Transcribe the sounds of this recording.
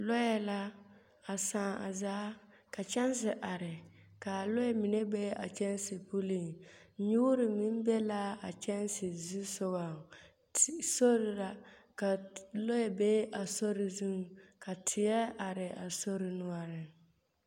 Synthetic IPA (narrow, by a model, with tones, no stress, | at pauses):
lo˦jɛ˨la˦ | a˨sãː˦˨a̰˨zaː˦ | ka˨t͡ʃɛ˦n˦s̬ɪ˨ʔa˨ɾɪ˨ | ka˨lo˦ɛ˦mɪ˨nɛ˦be˦a̰˨t͡ʃɛ˦n˦sɪ˨pu˦li˦˨ŋ˦ | ɲu˦ɾɪ˨mi˦m˦bɛ˦la˦a˨t͡ʃɛ˦n˦sɪ˨zu˦sʊ˦ba˨ | so˦ɾɪ˨ɾa˨ | ka˨lo˦ɛ˨be˦ʔa˨so˦ɾɪ˨zu˦ŋ˨ka˨tʰɪ˨jɛ˦a˨ɾɪ˨a˨so˦ɾɪ˨nʊ˦ɔ˦ɾɪ˨